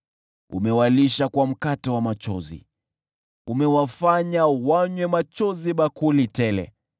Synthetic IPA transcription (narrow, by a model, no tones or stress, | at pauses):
ṵmɛwaliʃakwam̩katɔwamat͡ʃɔ̰zḭ | umɛwafaɲawaɲwɛmat͡ʃɔziɓakulitɛlɛ̰